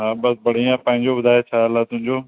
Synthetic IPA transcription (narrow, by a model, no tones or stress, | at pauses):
ɦãːbəsbəɽ̤ijãːpə̃ɦɪ̃ɲd͡ʒoːbəd̪ʱaːjet͡ʃʰaːəlaːt̪ʊɦɪ̃ɲd͡ʒoː